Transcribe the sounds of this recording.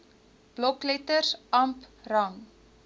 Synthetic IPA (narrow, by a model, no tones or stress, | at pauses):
b̥lɔklɛtərsɐmprɐŋ